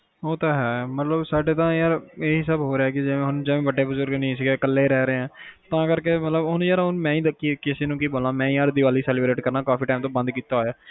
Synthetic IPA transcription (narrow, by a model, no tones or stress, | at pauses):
oːt̪aːɦɛːmət̪ləbsaːɖeːt̪ãːjaːɾeːɪsaːbɦoːɾeaːkɪd͡ʒeẽːɦʊnd͡ʒeːʋẽːʋəɖeːbʊzʊɾɡnəĩːs̬ɪɡeːkəlːeːɾɛːɾəeːɦɛ̃ːt̪ãːkəɾkeːmət̪ləbʊnjaːɾɦʊnmɛ̃ːĩːd̪əkːikɪseːnũːkiːboːlaːmɛ̃ːĩːaːɾd̪ɪʋaːliːsɛːlːbɾeːʈkəɾnaːkaːfiːʈaːmt̪õːbə̃nd̪kiːt̪aːɦoːjaː